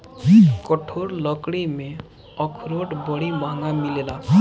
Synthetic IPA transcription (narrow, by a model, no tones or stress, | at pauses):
kɔʈʰoɽlɔkɽime | ɔkʰɾoʈbɔɽimaŋɡamilela